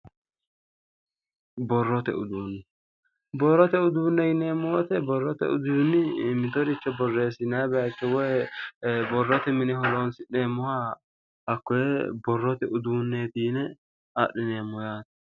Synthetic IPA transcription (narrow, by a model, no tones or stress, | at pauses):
bɔrːɔt̪ɛ̰ʊd̪uːnːɪ | bɔrːɔt̪ɛʊd̪uːnːɛɡɪneːmːʊwɔt̪ɛbɔrːɔt̪ɛ̰ʊ̰d̪unːɪmɪt̪ɔɾɪt͡ʃːɛbɔrːeːsɪnabɛɐkːɛwɔj | bɔrːɔt̪ɛmɪnɛɦɔloːnsɪneːmːʊha | ɐkːɔjɛbɔrːɔt̪ɛʊd̪uːnːeːt̪iːnɛ | a̰ɗɪneːmːɔjaːt̪ɐ̥